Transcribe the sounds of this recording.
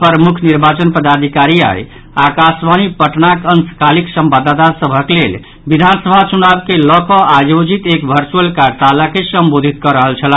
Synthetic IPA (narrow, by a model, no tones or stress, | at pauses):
pəɾəmukʰniɾbat͡ʃənpəd̪ad̪ʱikaɾia̰j | akasʋanipəʈnakənskʰaliksəmbad̪at̪asəbʱəklel | bid̪ʱansəbʱat͡ʃunabkelɔkɔajod͡ʒit̪ekbʱəɾt͡ʃuəlkaɾt̪alakesəmbod̪ʱit̪̚kɔɾəɦəlt͡ʃʰəla